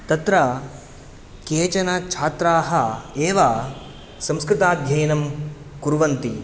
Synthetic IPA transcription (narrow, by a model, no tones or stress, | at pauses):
t̪ɐt̪ɾɐ | keːt͡ʃɐnɐt͡ʃʰaːt̪ɾaːɦɐeːʋɐ | sɐ̃mskɾɪt̪aːd̪ʱjɐjɐnɐm | kuɾuʋɐnt̪i